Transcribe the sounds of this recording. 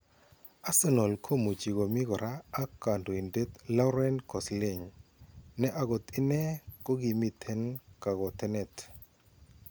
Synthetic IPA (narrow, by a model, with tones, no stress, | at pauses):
a˦sɛ˦nɔ˨lkʰo˦mo˨t͡ʃi˨ɡo˨mɪ˦ɡɔ˨ɾaː˦ka˨ndo˨i˨nde˦t̪la˦wɾɛ˦nkɔ˨sle˦˨ɲ | nɛ˦ʔa˦ɡɔ˨t̪ɪ˦nɛ˦kɔ˦ɡi˨mi˦t̪ʰɛ˦nka˨ɡɔ˨t̪ɛ˦nɛ˦t̪